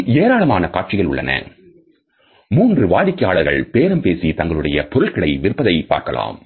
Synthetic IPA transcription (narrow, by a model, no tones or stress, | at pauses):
eːɾaːɭɐmaːnɐkaːʈ̚t͡ʃɪɣɐɭʊ̰ɭːɐ̰nɐ̰ | muːndrɯʋaːðɪkːɐjaːɭɐɾɣɐɭpeːɾɐmpeːsit̪ɐŋɡɐɭɯɽɐjɐpɔɾɯɭkɪɽɐɪʋɪɾpːɐðɐɪpa̰ːɾkɐla̰ːm